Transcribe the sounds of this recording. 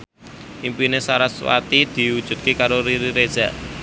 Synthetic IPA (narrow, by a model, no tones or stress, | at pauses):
ʔimpinesaɾaswa̰t̪id̪̥i̤wud̥ʒ̥ṳt̪̚kekaɾoɾiɾiɾed̥ʒ̥ä̤̰ʔ